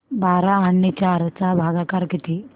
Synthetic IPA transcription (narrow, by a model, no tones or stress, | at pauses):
baɾaːɳːit͡ɕaɾt͡sabʱaɡakaɾkit̪i